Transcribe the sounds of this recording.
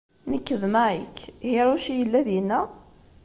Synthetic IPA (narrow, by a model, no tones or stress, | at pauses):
nəkːəðmaʕikhiɾuʃijəlːæðjənːæ